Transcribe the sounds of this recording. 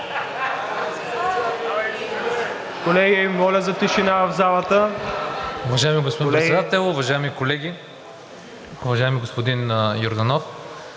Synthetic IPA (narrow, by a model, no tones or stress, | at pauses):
kolɛɡimɔlʲəzɐt̪iʃinavɐvzalˠət̪ə | ʊvɐʒaɛmiɡospod̪impɛsɛd̪at̪ɛlˠʊvɐʒaɛmikolɛɡʲi | ʊvɐʒaɛmiɡospod̪injoɾd̪ɐnɔf